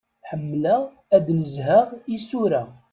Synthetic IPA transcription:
ħəmːlæ | æd̪nəzɦæʁisuɾæ

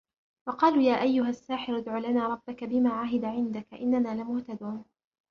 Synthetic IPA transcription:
wɑqɑːluːjaːʔajːʊɦasːaːħɪɾɪd̪ʕuːlanaːɾˤɑbːakabɪmaːʕaɦɪd̪aʕɪnd̪akʔɪnːanaːlɪmʊht̪ad̪uːn

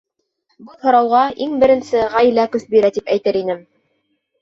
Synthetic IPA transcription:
bɤθhŏɾɑwʁɑʔiŋbɘ̆ɾɘ̆nsɘʁæjlækɵθbiɾæt̪ipæjt̪ɘɾinɘm

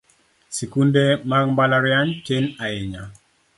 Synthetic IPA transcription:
sikundemaɡmbalaɾjant͡ʃenaɪɲa

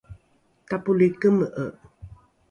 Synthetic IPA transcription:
tapulikəməʔəʔ

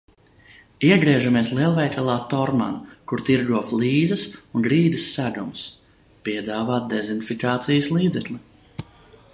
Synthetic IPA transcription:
iɛɡɾiɛʒamiɛslˠiɛlˠvɛjk̪alˠaːt̪ɔɾma̰nkuɾt̪iɾɡuɔflˠiːzɐsunɡɾiːd̪əsːæd̪ums | piɛd̪aːvaːt̪̚d̪ezinfikaːt̪sijslˠiːd̪zɛklʲi

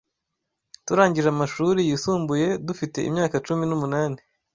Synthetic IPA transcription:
tuɾaːɲɟiʒamaʃuːɾijisuːmbuje̞dufite̞̰ḭmɲaːkat͡ʃuminumunaːni

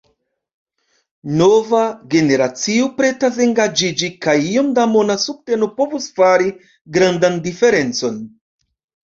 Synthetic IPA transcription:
no̞vaɡe̞ne̞ɾat͡siopɾe̞tase̞ŋɡad͡ʒid͡ʒikajio̞mdamo̞nasuk̚te̞nopo̞vusfaɾi | ɡɾandandife̞ɾe̞nt͡so̞n

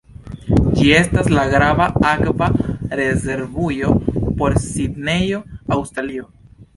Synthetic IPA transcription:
d͡ʒie̞staslaɡɾavaakvaɾe̞ze̞ɾvujo̞po̞ɾsidne̞jo̞awstɾalio̞

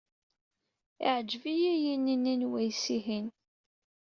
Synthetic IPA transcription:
ɪ̰ʕəd͡ʒːvijæjinːinːinwæjsiɦin

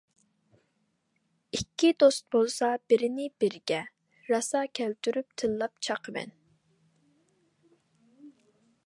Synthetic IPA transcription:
ikʲʰːid̪ost̪̚bolˠsɑb̥ɪɾɪnɪb̥ɪɾɡʲɛ | ɾɑsɑkʲʰɛlt̪ʰyɾyp̚t̪ʰɨlˠːɑp̚t͡ʃʰɑqʰəmɛ̰n

